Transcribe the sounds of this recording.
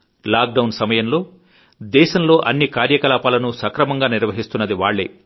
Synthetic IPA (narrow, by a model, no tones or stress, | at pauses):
laːk̚ɖɐwnsɐmɐjɐmlo̞ː | d̪ɛːʃɐmlo̞ːʔɐnːikaːɾjɐkɐlaːpaːlɐnusɐkɾɐmɐŋɡaːniɾʋɐɦist̪unːɐd̪iʋaːɭːḛː